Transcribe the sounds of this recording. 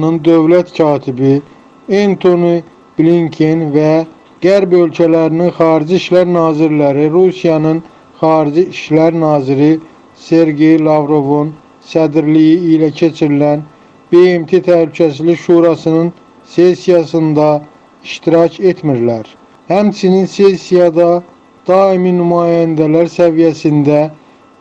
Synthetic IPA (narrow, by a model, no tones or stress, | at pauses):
nɯnd̪ø̞vlæt̪cʰɑːt̪ʰibi | ent̪ʰoni | b̥liŋkʰinvæ | ɡ̥æɾbø̞lcʰælæɾininxɑːɾid͡ʒiiʃlæɾnɑːziɾlæɾiɾusijɑnɯn | χɑːɾid͡ʒiiʃlæɾnɑːziɾi | se̞ɾɡe̞jlˠɑvɾo̞vun | sæd̪ɾlijiilæcʰe̞t͡ʃʰiɾilæn | be̞emt̪ʰe̞t̪ʰæhlycʰæsizliʃuːɾɑsɯnɯn | se̞sijɑsɯnd̪ɑ | iʃt̪iɾɑcʰe̞t̪ʰmiɾlæɾ | hæmt͡ʃʰininse̞sijɑd̪ɑ | d̪̥ɑːiminymɑːjænd̪ælæɾsævijæsind̪æ